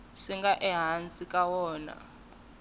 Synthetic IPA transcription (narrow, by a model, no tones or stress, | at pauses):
ʂiŋɡaʔɛɦant͡sʼikʼawɔːna̰